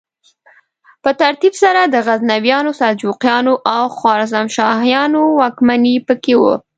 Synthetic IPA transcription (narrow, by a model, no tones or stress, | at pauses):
pət̪aɾt̪ibsaɾad̪əɣaznawjɑnosad͡ʒuqjɑnoʔawxwɑɾzamʃɑhjɑnowɑkmanipəkewṵ